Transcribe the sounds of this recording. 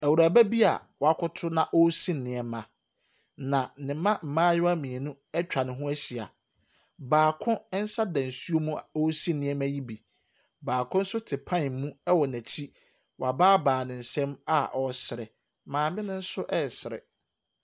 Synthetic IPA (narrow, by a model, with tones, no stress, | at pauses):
æ˨wu˨ɾaː˨bæ˦bi˦a̰˨wɔ˨˦a˦kʰʊ˦tʰʊ˦nã˨ʔɔ˦sĩ˦nɪ̃˨ɛ˨mã˨ | nã˨˦nɪ̃˨˦mã˦m̩˨mãː˦jʊ˦a˦mĩ˨nũ˦ | ɛ˦t͡ɕᶣa˨nɪ̃˨ɦʊ̃˦æ˦ɕi˨a̰˨ | baː˨kʰʊ̃˦n̩˦sa˦dã˨n̩˨su˦o˦mũ˦o˦sĩ˦nɪ̃˨˦ɛ˦mæ̃˦ji˦bi˨ | baː˨kʰʊ̃˦n̩˦sʊ˦tʰɪ˨pʰã˦˨mũ˦ɛ˦wɔ˨næ̃˨t͡ɕʰi˦ | wɔ˨a˨baː˦baː˨nɪ̃˨n̩˨sɛ̃˦ma˦ʔɔ˨sɪ˨ɾɪ˨ | mãː˨mɪ̃˦nʊ̃˦n̩˦sʊ˦ʔɛ˦˨sɪ˨ɾɪ̰˨